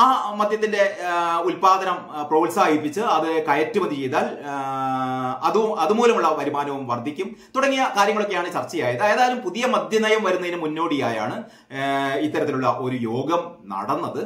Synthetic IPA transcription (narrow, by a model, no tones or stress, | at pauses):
aːmɐd̪ʱjɐt̪̬ːinde̞ulpaːd̪ɐnɐm | proːlsaːɦipːit͡ɕːɨɐðɨkɐjɐtːumɐnd̪it͡ɕe̞jt̪aːl | ɐðuɐðɨmuːlɐmuɭːɐpɐɾimaːnɐʋumʋɐrd̪ʱikʲːum | t̪uɽɐŋːijɐkaːɾjɐŋːɐɭo̞kːejaːɳɨt͡ɕɐrt͡ɕːɐjaːjɐðɨeːðaːjɐlumpuðijɐmɐd̪ʱjɐnɐjɐmʋɐɾunːɐðinɨmunːo̞ːɽijaːja̰ːɳɨ | it̪ːɐɾɐt̪ːiluɭːɐʔo̞ɾujo̞ːɡɐmnɐ̰ɽɐnːɐðɨ